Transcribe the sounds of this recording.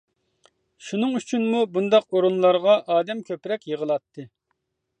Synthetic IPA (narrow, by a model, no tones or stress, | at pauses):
ʃunɨŋyt͡ʃʰynmubund̪ɑqoɾunlˠɑɾʁɑʔɑːd̪ɛmkʲʰøpɾɛkʲjəʁəlˠɑt̪ʰːɨ